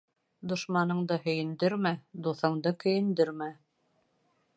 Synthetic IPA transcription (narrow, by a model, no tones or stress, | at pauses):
d̪ŏʃmɑnɤ̆ɴd̪ɤhɵ̆jɘ̆nd̪ɘɾmæd̪uθɤ̆ɴd̪ɤkɵ̆jɘ̆nd̪ɘ̆ɾmæ